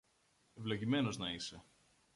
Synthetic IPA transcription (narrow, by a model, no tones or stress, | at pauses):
e̞vlo̞ʝime̞no̞znɐise̞